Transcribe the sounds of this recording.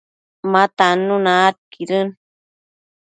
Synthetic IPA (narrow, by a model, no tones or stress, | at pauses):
mat̪anunat̪̚kʰiɾɨn